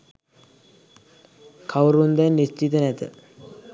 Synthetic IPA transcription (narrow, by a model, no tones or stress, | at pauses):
kʰawɾund̪ɛnnːist͡ʃit̪ənæt̪ə̰